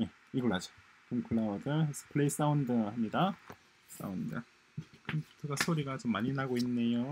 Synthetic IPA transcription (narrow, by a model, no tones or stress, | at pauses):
je̞ | iɡʌɭɦad͡ʑo̥ | koŋkʰɯɭːaʌdɯs͈ʰɯ̥pʰɯɭe̞is͈aundɯhamɲida | s͈a̰undɯ | kɯnkʰɯɡasʰoɾiɡat͡ɕomːaɲinaɡoinːe̞jo